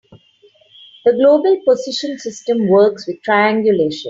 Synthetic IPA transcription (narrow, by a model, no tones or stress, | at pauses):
d̪̥əɡloːbəlpozɪʃə̃nsɪsʈə̃mʋəːksʋɪd̪̚ʈʰɾaɪæ̃ŋɡjʊleːʃə̰̃n